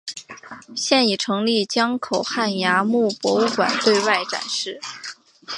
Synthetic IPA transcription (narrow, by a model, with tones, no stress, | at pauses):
ɕjɛ˥˩ni˨˩ʈ͡ʂʰɤ˧˥ŋli˥˩t͡ɕjɑ˥ŋkʰo˨˩ʊxa˥˩nja˧˥mu˥˩pwɔ˧˥u˥˩kwa̰˨˩nt̪we˥˧ɪwa˥˩ɪʈ͡ʂa̰˨˩nʂɻ̩˥˩